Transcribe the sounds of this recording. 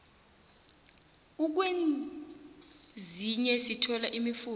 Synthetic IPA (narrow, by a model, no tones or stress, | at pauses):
uk̬wen | ziɲɛsitʰɔlaʔimifuː